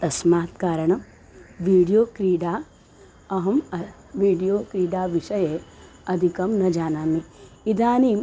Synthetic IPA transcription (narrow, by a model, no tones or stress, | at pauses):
t̪ɐsmaːt̪kaːɾɐɳɐm | ʋiːɽijoːkɾiːɖaː | ɐɦɐmɐ | ʋiːɖijoːkɾiːɖaːʋiʃɐje | ɐd̪ʱikɐmnɐd͡ʒaːnaːmi | id̪ʱaːniːm